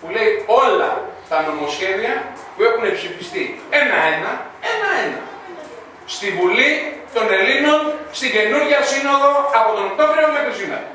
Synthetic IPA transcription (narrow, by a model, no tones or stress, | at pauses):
pule̞io̞lɐ̰t̪ɐno̞mo̞sce̞viɐ | pue̞xunepsifist̪ie̞nɐe̞nɐenɐenɐ̰ | st̪ivulit̪o̞ne̞lino̞nst̪iɟe̞nuɾʝɐsino̞ðo̞ɐpo̞t̪onekt̪oveɾiomekɾisinɐ̰